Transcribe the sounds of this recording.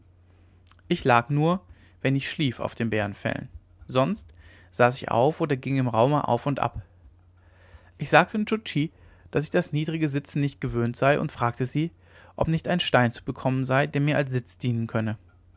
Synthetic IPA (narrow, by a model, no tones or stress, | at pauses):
ʔɪçlaːknuːɐ | vɛnɪçʃliːfa̰ʊfd̥eːnbeːʁənfɛ̰l̰n | zɔnst | z̥aːsɪçʔa̰ʊfʔoːdɐɡɪŋɪmʁaʊməʔa̰ʊfʊntʔa̰p | ʔɪçz̥aːk̚tʰənt͡ʃʊt͡ʃiː | d̥asɪçd̥asniːdʁɪɡəzɪt͡sn̩nɪçt̚ɡ̥əvøːntz̥aɪʔʊ̰ntfʁ̥aːk̚təziː | ʔɔpnɪçtaɪnʃtaɪnt͡subəkʰɔmənzaɪdeːɐmiːɐʔals̬z̥ɪt͡sd̥iːnənkʰœnə